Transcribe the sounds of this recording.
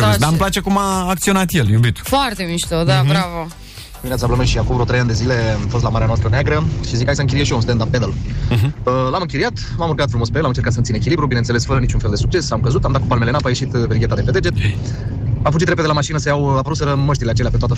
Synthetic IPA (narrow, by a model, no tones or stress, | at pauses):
d̪amplat͡ʃekumaːk̚t̪sio̞nat̪jeljubit̪foart̪emiʃt̪od̪abɾavə | d̪iminat̪sablənojʃiakuvɾot̪ɾejand̪e̞zile̞amfost̪lamaɾeanoast̪ɾəneaɡɾəʃizikajsəɨŋkʲiɾieʃiomst̪end̪amped̪əl | əlamɨŋkʲiɾijat̪ | mamurɡat̪fɾumo̞speelːamɨnt͡ʃeɾkat̪səɨnt̪inek̬ʲilibɾubinenelesfəɾənit͡ʃunfeld̪e̞suk̚t͡ʃe̞samkəzut̪amd̪at̪kupalmele̞napaje̞ʃit̪vɾiɡʲe̞t̪ad̪eped̪ed͡ʒet̪ | amfud͡ʒit̪ɾeped̪elamaʃinəsəjawapəɾut̪səɾəməʃt̪ileat͡ʃeleapet̪oat̪ə